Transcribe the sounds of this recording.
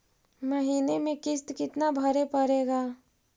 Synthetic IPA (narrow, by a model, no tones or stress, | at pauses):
məɦiːnemẽkɪst̪kɪt̪nabʱɐɾepɐɾeːɡaː